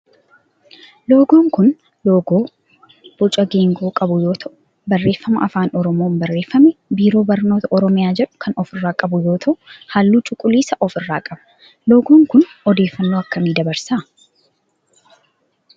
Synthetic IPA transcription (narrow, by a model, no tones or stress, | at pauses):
lo̞ːɡo̞ːŋkʊn | loːɡoː | b̥ʊt͡ʃʼɐɡeːŋɡuːkʼɐbʊjo̞ːt̪ʰɐʔʊ | bɐrːe̞ːfːɐmɐʔɐfaːnɔɾɔmoːmbɐrːe̞ːfːɐmɛbiːɾo̞ːbɐɾno̞ːt̪ʰɐʔɔɾɔmɪjaːd͡ʒɛᶑʊ̥kʰɐnɔfɪrːaːkʼɐbʊjo̞ːt̪ʰɐʔʊhaːlːuːt͡ʃʼʊkʼːʊliːsɐʔɔfɪrːaːkʼɐb̥ɐ̥ | loːɡoːŋkʊnɔd̪e̞ːfːɐnːoːɐkːɐmiːd̪ɐbɐɾsaː